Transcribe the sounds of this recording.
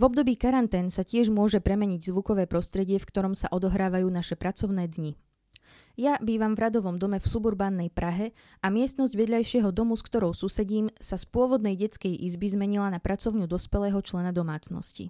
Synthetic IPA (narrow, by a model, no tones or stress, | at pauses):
vɔb̚d̪ɔbiːkaɾant̪ɛːnsacɪɛʒmʊɔʒɛpɾɛmɛɲiɟzʋukɔʋɛːpɾɔst̪ɾɛɟɪɛfkt̪ɔɾɔmsa̰ʔɔd̪ɔɦɾaːʋajuːnaʃɛpɾat͡sɔʊnɛːd̪ɲi | jabiːʋamvɾad̪ɔʋɔmd̪ɔmɛfsubuɾbaːnːɛjpɾaɦɛ | amɪɛst̪nɔzɟʋɛd̪ʎajʃɪɛɦɔd̪ɔmuskt̪ɔɾɔʊsusɛɟiːmsaspʊɔʋɔd̪nɛjɟɛt͡skɛjʔizbizmɛɲilanapɾat͡sɔʊɲud̪ɔspɛlɛːɦɔt͡ʃlɛnad̪ɔmaːt͡snɔ̰scḭ